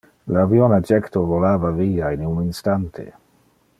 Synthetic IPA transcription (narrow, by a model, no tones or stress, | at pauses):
lavjonad͡ʒɛkt̪ovolaːvaviːainuninst̪ant̪ʰḛ